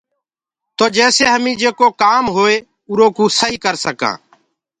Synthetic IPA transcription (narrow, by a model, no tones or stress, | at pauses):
t̪oːd͡ʒɛːseːɦəmĩːd͡ʒeːkoːkaːmɦoːeː | ʊɾõːkũːsəɦiːkəɾsəkã̰ː